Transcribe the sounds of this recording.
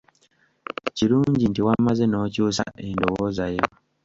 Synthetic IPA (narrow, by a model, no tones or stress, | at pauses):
ciɾuːɲɟintiwamːazeno̞ːcuːsa̰ʔendowozajewa